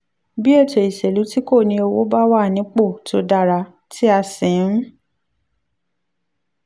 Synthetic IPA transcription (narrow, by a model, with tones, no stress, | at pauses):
bi˦e˦˨to˨i˨ʃe˨lu˨˦ti˦ko˦˨nĩ˧o˧wo˦ba˦wa˦˨nĩ˨˦k͡po˦˨to˧˦da˦˨ɾa˧ | tʰi˦a˧sĩ˨˦